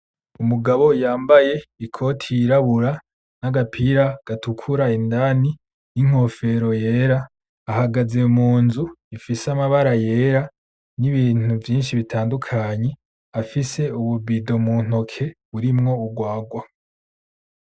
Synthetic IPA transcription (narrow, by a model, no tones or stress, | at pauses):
umuɡaβo̞jaːmbaje̞ikʰo̞tʰiiɾaβuɾa | naɡapʰiɾaɡ̥atukʰuɾaindani | niŋ̥o̞fe̞ɾo̞je̞ːɾaː | haɡaze̞umuːnzuifisamaβaɾaje̞ːɾa | niβiːn̥uvjiːnʃiβitʰaːndukʰaɲe̞ | afise̞uβubido̞muːn̥o̞kʰe̞βuɾimŋo̞uɡwaːɡwa